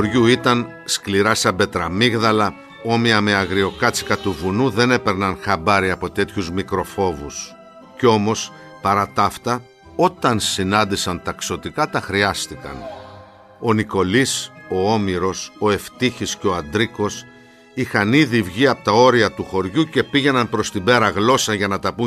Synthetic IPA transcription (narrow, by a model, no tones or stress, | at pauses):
uoɾʝuit̪ɐn | skliɾɐsɐbe̞t̪ɾɐmiɣðɐlɐ | o̞miɐme̞ɐɣɾio̞kɐt͡si̥kɐt̪uvunuðe̞ne̞pe̞ɾnɐnxɐbɐɾiɐpo̞t̪e̞t̪çuzmikɾo̞fo̞vus | ceo̞mo̞s | pɐɾɐt̪ɐft̪ɐ | o̞t̪ɐnsinɐnd̪isɐnt̪ɐkso̞t̪ikɐt̪ɐxɾiɐst̪ikɐ̰n | o̞niko̞liso̞omiɾo̞so̞e̞ft̪içisceo̞ɐnd̪ɾiko̞s | ixɐniðivʝiɐpot̪ɐo̞ɾiɐt̪uxo̞ɾʝuce̞piʝe̞nɐnpɾo̞st̪ibe̞ɾɐɣlo̞sɐʝɐnɐt̪ɐpu